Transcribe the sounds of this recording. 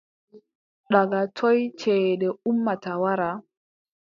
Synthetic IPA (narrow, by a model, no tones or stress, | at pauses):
ɗaɡatʰɔjt͡ʃɛːɗɛumːatawaɾa